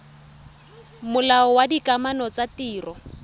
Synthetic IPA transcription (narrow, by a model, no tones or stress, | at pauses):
mʊlaɔwadikʼamanɔt͡satiːrɔ